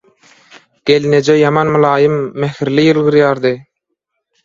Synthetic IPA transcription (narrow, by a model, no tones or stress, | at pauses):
ɡ̥e̞lined͡ʒejɑmɑnmɯlˠɑːjɯmːæxiɾlijɯlˠɣɯɾjɑːɾd̪ɯ